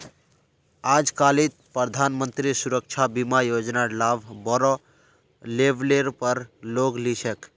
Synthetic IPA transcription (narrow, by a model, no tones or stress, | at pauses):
ad͡ʒkalit̪̚pɾəd̪ʱanmənt̪ɾisuɾək̚t͡ʃʰabimajod͡ʒnalabbɔɾɔ | lebleɾpəɾloɡlisək